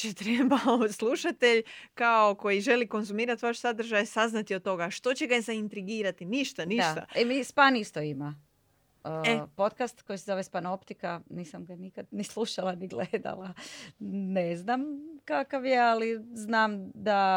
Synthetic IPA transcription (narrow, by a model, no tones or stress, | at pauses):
t͡ʃet̪ɾebaoslˠuʃat̪eʎkao̞ko̞jiʒe̞liko̞nzumiːɾat̪ʋaʃsad̪r̩ʒajsaznat̪iot̪ːo̞ɡaʃt̪o̞t͡ɕeɡazaint̪ɾiɡiːɾat̪iniʃt̪aniʃt̪a̰emispanist̪oima | epo̞t̪kast̪ko̞jsezoʋespanopt̪ikaniːsamɡanikad̪nislˠuʃalˠaniɡled̪a̰lˠa | neznamkakaʋjealiznaːmd̪a